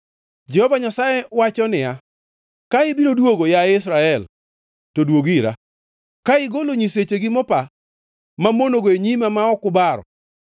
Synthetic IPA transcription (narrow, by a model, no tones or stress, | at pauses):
d͡ʒɛhɔvaɲasajewat͡ʃɔnɪja | kaɪbiɾodwoɡojaɪsɾaɛl | todwoɡiɾa̰ | kaɪɡoloɲiset͡ʃeɡɪmɔpa | mamonoɡoeɲimamaɔkʊbaɾɔ̰